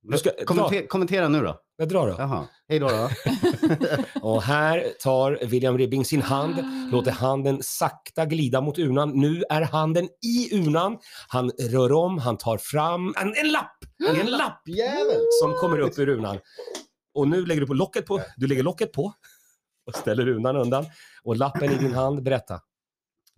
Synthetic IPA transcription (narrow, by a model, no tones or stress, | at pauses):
d̪skakʰɔmɛnt̪eːɾaanʉ̟ːdɔ̰ | ad̪ɾɑːɖɔ̰ɦhɛjd̪oːɾ | ɔɦæːɾt̪ʰɑːɾvɪljamɾɪbɪŋsɪnhand̪loːt̪əɾɦand̪ənsak̚t̪aɡliːd̪amʊt̪ʉ̟ːɳanːʉ̟ːæɾhand̪ənɪʉ̟ːɳanhanɾœːɾɔmːɦant̪ʰɑːɾfɾamːɛnɛnlap̪ːɛnlapː | sɔmkʰɔmːəɾɵpːɵɾʉ̟ːna̰n | ɔnʉ̟ːlɛɡːəɖɵpʰɔlɔkːət̪̚pʰɔd̪ɵlɛɡːəɭɔkːət̪̚pʰɔ | ɔst̪ɛlːəɾʉ̟ːnanɵnd̪anɔlapːənɪd̪ɪnɦand̪bɛɾɛt̪ːa̰